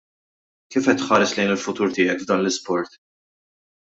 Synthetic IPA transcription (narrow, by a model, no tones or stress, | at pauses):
kiːfɛt̪ːħɐːɾɛslɛjnɪlfʊt̪uːɾt̪ɪːjɛkvd̪ɐːnlɪspɔɾt̪